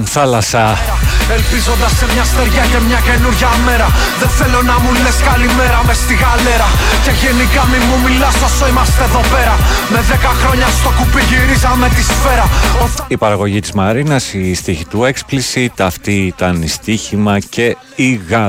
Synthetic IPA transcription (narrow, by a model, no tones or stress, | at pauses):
θɐlɐsɐ | elpizo̞nd̪ɐsːemɲɐst̪e̞ɾʝɐce̞mɲɐce̞nuɾʝɐme̞ɾɐ | ðeθe̞lo̞nɐmuleskɐlime̞ɾɐme̞st̪iɣɐle̞ɾɐ | ce̞ʝe̞nikɐmimumilɐsosoimɐst̪eðo̞pe̞ɾɐme̞ðekɐxɾo̞ɲɐst̪o̞kupiʝiɾizɐme̞t̪isfe̞ɾɐoipɐɾɐɣo̞ʝit̪izmɐɾinɐsist̪içit̪ue̞ksplisit̪ɐft̪iit̪ɐnist̪içimɐce̞ | iɣɐ